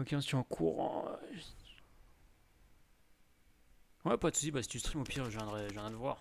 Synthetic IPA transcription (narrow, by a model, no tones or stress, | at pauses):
ɔkʲeɔ̃st̪iɑ̃kʰuʁɑ̰̃ | wɛpat̪ud̪ibasi̥t̪yst̪χimopʰiʁʒjɛ̃d̪ʁɛʒjɛ̃nɛ̃d̪əvwa̰ːʁ